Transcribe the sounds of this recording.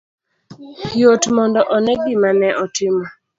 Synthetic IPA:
jotmɔndɔʔɔnɛɡɪmanɛʔɔtɪma

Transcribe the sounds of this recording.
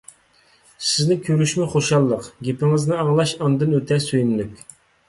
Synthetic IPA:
sɪznɪkʲʰøɾyʃmɪχoʃɑlˠːəqɡʲepɪŋɪznɨɑŋlˠɑʃɑnd̪ɨnøt̪ʰɛsøjynlykʲ

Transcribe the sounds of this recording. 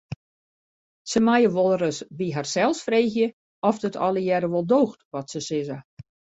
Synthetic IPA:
səmajəʋɔlˠrəsbiɦarsɛlˠsfreːxjə | ɔfdətɔ̰lˠəjɛɾəʋɔlˠdoːxtʋɔtsəsɪzə

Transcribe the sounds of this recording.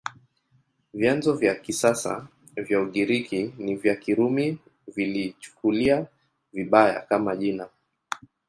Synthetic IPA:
vjanzɔvjakisasa̰ | vjauɠiɾikʰinivjakiɾumi | vilit͡ʃu̥kulia | viɓaja̰kamaʄina

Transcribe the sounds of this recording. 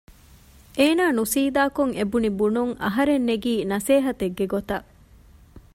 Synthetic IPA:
ʔeːnaːnusiːd̪aːkoŋebunibunuŋɐ̰ɦɐɾenːeɡiːnɐseːɦɐt̪eɡːeɡot̪ɐ

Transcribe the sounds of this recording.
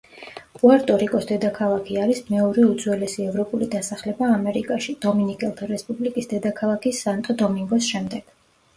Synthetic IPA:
χʼuaɾt̪ʼɔɾikʼɔsd̪ɛd̪akʰalˠakʰiaɾismɛɔɾɛud̪zwɛlɛsiɛvɾɔpʼulid̪asaχlɛbaːmɛɾikʼaʃid̪̥ɔminikʼɛlˠt̪ʰaɾɛspʼublikʼisd̪ɛd̪akʰalˠakʰisːant̪ʼɔd̪ɔmiŋɡɔsʃɛmd̪ɛɡ̥

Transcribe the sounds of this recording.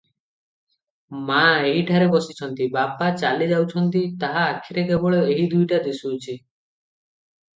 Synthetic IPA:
maeɦiʈʰaɾebɔsit͡ʃʰɔnt̪ibapat͡ʃaled͡ʒawt͡ʃʰɔnt̪it̪aɦaːkʰːiɾekebɔɭɔeɦid̪ujʈad̪esuːt͡ʃʰi

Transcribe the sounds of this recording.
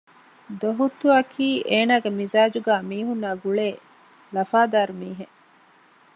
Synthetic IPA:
d̪oɦut̪ːuɐkʰiːʔeːnaːɡemizaːd͡ʒuɡaːmiːɦunːaːɡuɭeː | lɐfaːd̪aːɾumiːɦe

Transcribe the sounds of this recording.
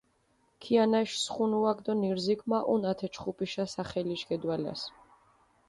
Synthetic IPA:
kʰianaʃsχunuakd̪ɔniɾzikʰmaʔunat̪ʰɛt͡ʃʰχupʼiʃasaχɛliʃɡɛd̪wala̰s

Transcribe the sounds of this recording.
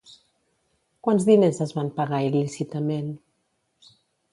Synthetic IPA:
kwanzðinezəzβampaɣailisit̪əmen

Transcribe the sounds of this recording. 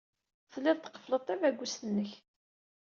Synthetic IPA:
θlːɪðˤt̪ːə̥qːə̥flət̪ˤːævæɡʷːusənːəç

